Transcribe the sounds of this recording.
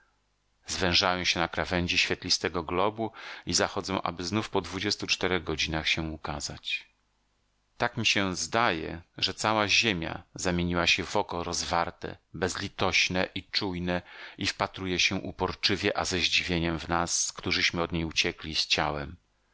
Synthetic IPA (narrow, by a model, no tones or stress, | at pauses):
zvɛ̃w̃ʐajɔ̃w̃ɕɛnakɾavɛɲd͡ʑiɕfʲɛt̪lʲist̪ɛɡɔɡlɔbuizaxɔd̪zɔ̃w̃ʔa̰bɘznufpɔd̪vud͡ʑɛst̪ut͡ʂt̪ɛɾɛɣɡɔd͡ʑinaxɕɛukaza̰t͡ɕ | t̪akmʲiɕɛzd̪ajɛ̰ʐɛt̪sawaʑemʲja̰zamʲeɲiwaɕɛvɔkɔɾɔzvaɾt̪ɛ̰bɛzlʲit̪ɔɕnɛʔit͡ʂujnɛifpat̪ɾujɛɕɛʔupɔɾt͡ʂɘvʲjɛʔazɛʑd͡ʑivʲjeɲɛmvnaskt̪uʐɘɕmɘɔd̪ɲejut͡ɕɛklʲist͡ɕawɛm